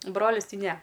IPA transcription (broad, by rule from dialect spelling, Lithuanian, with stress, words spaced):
ˈbroːlʲɪs ˈtɐɪ ˈnʲɛ